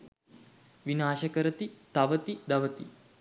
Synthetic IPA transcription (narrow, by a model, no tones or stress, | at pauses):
ʋinaːʃəkəɾət̪it̪aʋət̪id̪ɐʋət̪i